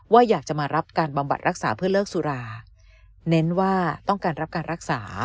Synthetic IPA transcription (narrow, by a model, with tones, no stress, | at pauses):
waː˥˩jaː˨˩k̚t͡ɕa˨˩maː˧ɾa˦˥p̚kaː˧nba˧mba̰˨˩t̪̚ɾa˦˥k̚saː˩˦pʰɯ˥˩ɐlɤː˥˩k̚su˧ɾaː˧ | ne˦˥nwaː˥˩t̪ɔ˥˩ŋkaː˧nɾa˦˥p̚kaː˧nɾa˦˥k̚saː˩˦